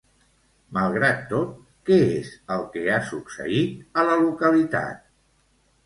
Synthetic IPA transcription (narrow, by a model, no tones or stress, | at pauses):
məlˠɣɾat̪ːot̪̚ | kɛezəlˠkɛasuksə̰it̪ələlukəlit̪a̰t̪̚